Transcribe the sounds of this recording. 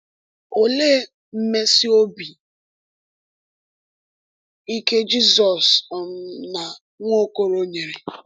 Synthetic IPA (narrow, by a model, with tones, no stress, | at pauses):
o˨leː˦ | m̩˦me˦si˦o˦bi˨ | i˦ke˦d͡ʒi˦sɔ˨sm̩˦na˨ | ŋʷo˦ko˦ɾo˦ɲe˨ɾe˨